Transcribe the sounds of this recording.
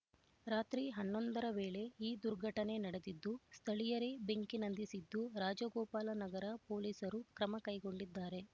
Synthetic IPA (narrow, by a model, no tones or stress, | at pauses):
ɾaːt̪ɾiɦɐnːo̞nd̪ɐɾɐʋeːɭe̞iːd̪uɾɡʱɐʈɐne̞nɐɽed̪id̪ːust̪ʰɐɭijɐɾebe̞ŋkinɐnd̪isid̪ːuɾaːd͡ʒɐɡɔːpaːlɐnɐɡɐɾɐpo̞ːliːsɐɾukɾɐmɐkɐjɡo̞ɳɖid̪ːaːɾe̞